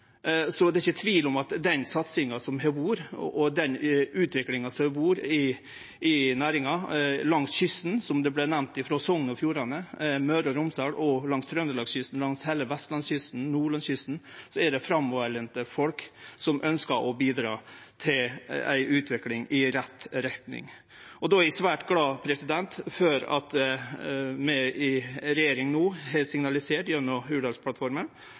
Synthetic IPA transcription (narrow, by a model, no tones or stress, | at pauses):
sɔd̪ɛɪçət̪ʰʋiːlɔmɑt̪d̪ɛnsɑt̪sɪŋɑsɔmɦɛbuːɾɔd̪ɛnʉːt̪ʰʋɪklɪŋɑsɔbuːɾɪ | ɪnæːɾɪŋɑlɑŋsçʏst̪n̩sɔmd̪ɛblɛnæʋnt̪ɪfɾɔsɔŋːənɔfjuːɾɑnəmœɾɔɾʊmsɑːɽʔɔlɑŋst̪ʰɾœnd̪əlɑːɡsɕʏst̪n̩lɑŋsheːləʋɛst̪lɑnsɕʏst̪n̩nuːɭɑnsɕʏst̪n̩sɔæɖɛfɾɑmːɔʋæɭɛnt̪əfɔlksɔmʔœnskəɾʔɔbiːd̪ɾɑ̰ːt̪ʰɪlæ̰ɪʉːt̪ʰʋɪklɪŋɪɾɛt̪ːɾɛt̪nɪ̰ŋ | ɔd̪ɔæɾæsʋæːʈɡlɑːpʰɾɛsɪd̪ɛnt̪føːɾɑ̰t̪ | mɛɪɾɛjeːɾɪŋnuːɦɛsɪŋnɑlɪseːʈjœnɔhʉːɖɑlspʰlɑt̪fɔɾmən